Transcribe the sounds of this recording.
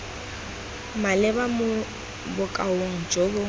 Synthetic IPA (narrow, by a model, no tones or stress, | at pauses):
malɛbamʊ | bʊkʼaoŋ̩d͡ʒoɡo